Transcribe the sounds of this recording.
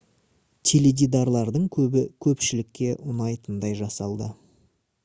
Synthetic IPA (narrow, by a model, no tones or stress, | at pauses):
t̪ʲʰe̞led̪ʲid̪ɑɾlˠɑɾd̪əɴkʲʰɵbɪkʲʰɵpʃɪlɪkʲːe̞ʔʊnɑjt̪ənd̪ɑjʒɑsɑlˠd̪ə